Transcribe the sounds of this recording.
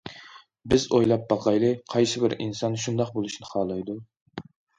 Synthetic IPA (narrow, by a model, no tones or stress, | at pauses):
bɪzojlˠɑp̚bɑqʰɑjlˠɨqʰɑjsɪbɪɾinsɑnʃund̪ɑqbolˠuʃnɪχɑːlˠɑjd̪u